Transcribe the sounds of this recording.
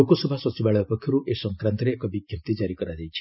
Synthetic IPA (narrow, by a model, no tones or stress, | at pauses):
okɔsɔbʱasɔt͡ʃibaɭɔjɔupekʰːjɔɾuʔesɔŋkɾant̪ɔɾeːkɔbiɡʱjɔnt̪id͡ʒaɾikɔɾad͡ʒajt͡ʃʰi̥